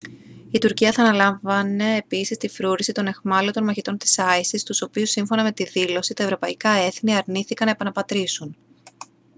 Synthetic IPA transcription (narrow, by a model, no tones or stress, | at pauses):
it̪uɾciɐθɐːnɐlɐɱvɐne̞ːpisist̪ifɾuɾisit̪o̞ne̞xmɐlot̪o̞nmɐçit̪o̞nt̪i̥sɐisist̪uso̞piusːiɱfo̞nɐme̞t̪iðilo̞sit̪ɐevɾo̞pɐikɐe̞θniɐɾniθikɐnɐe̞pɐnɐpɐt̪ɾisun